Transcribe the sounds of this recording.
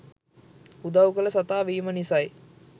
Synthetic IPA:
ud̪ɐʋukələsat̪aːʋiːmənisɐj

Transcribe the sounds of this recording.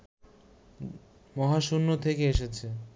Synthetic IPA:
mɔɦaʃunːot̪ʰekeeʃet͡ɕʰe

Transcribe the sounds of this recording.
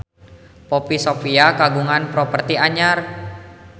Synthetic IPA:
popisopiakaɡuŋanpɾɔpərt̪iaɲar

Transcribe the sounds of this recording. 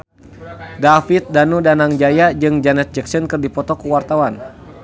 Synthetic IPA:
dafit̪̚danudanaŋd͡ʒajad͡ʒɨŋd͡ʒanɛt̪̚d͡ʒɛksənkɨrdipɔt̪ɔkuwart̪awan

